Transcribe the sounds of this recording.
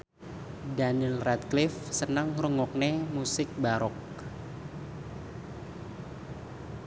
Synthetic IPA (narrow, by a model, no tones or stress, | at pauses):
danilrat̪̚klɪfsənəŋrəŋɔk̚nemusɪk̚baɾɔk̚